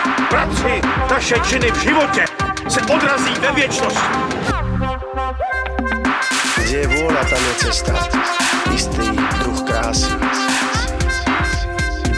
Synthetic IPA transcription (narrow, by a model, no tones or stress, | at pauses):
pɾat̪rɪnaʃɛt͡ʃɪnɪvʒɪvocɛsɛʔod̪ɾaziːvɛvjɛt͡ʃnoscɪ | ɡdɛjɛvuɔlat̪adɛt͡sɛst̪a | ɪst̪iːkɾuxkɾaːsi